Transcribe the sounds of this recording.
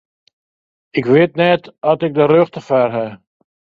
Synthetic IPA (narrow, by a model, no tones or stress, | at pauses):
ɪkʋɪtnɛtɔtɪk̚dərøxtəfɛrɦɛ